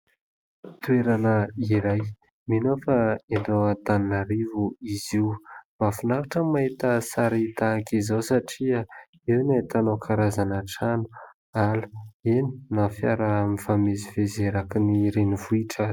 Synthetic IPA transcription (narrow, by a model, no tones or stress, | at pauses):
t̪ueɾanəiɾaj | minofaenɖ͡ʐoat̪aninaɾivuiziwmafunaɾaʈ͡ʂəmaɦit̪əsaɾit̪akizawsaʈ͡ʂia | ewnait̪anokʰaɾazanaʈ͡ʂanu̥ | alu̥eni̥nafja̰ɾamifamezivezeɾakiniɾenivuiʈ͡ʂə